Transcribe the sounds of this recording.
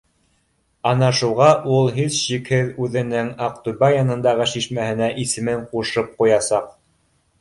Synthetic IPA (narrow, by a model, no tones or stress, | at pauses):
ɑnɑʃuʁɑʔulˠɦizɕikhɘðʉðɘ̆nɘŋɑq̚t̪ubɑjɑnɤ̆nd̪ɑʁɤʃiʃmæhɘ̆næʔisɘ̆mɘɴquʃɤp̚qujɑsɑq